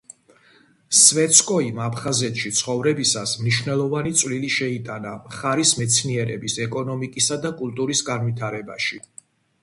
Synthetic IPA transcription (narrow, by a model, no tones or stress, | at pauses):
svɛt̪sʰkʼɔimapʰχazɛt̪ʃit̪sʰχɔvɾɛbisasmniʃvnɛlˠɔvanit̪sʼvliliʃɛit̪ʼanamχaɾismɛt̪sʰniɛɾɛ̰bisɛkʼɔnɔmikʼisad̪akʼulˠt̪ʼuɾisɡanvit̪ʰaɾɛbaʃi